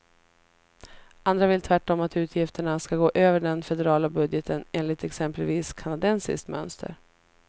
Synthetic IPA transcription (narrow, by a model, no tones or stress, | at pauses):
ʔand̪ɾavɪlt̪ʰvæʈːɔmat̪ʉ̟ːt̪ʰjɪft̪əɳaskaɡoːʔøːvəɖɛnfɛd̪ɛɾɑːlabɵd̪jɛt̪ʰəneːnlɪt̪ɛksɛmpəlviːskʰanad̪ɛnsɪ̰skt̪mœ̰nst̪ʰə̰ɾ